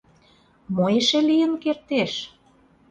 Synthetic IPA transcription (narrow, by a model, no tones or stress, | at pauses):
mojeʃelijənkert̪eʃ